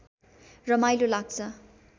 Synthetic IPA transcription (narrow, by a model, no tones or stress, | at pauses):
rʌmajlolaɡ̚t͡sʰʌ